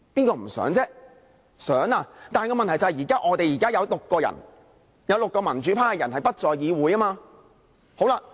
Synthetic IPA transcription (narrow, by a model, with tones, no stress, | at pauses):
piː˥nkɔː˧m̩˨˩sœ̰ː˨˥ŋt͡sɛː˥ | sœː˨˥ŋaː˧t̪aː˨nkɔː˧mɐ˨nt̪ʰt͡sɐ˨hjiː˨˩kaː˥ʔɔː˨˧t̪e˨jiː˨˩kaː˥jɐ˨˧wlʊ˨kːɔː˧jɐ̰˨˩n | jɐ˨˧wlʊ˨kːɔː˧mɐ˨˩nt͡ʃyː˨˥pʰaː˥kɛ˧jɐ˨˩nhɐ˨jpɐ˥t̚t͡sɔː˨jiː˨˧wuː˨˧jaː˥maː˧ | ho˨˥wlaː˧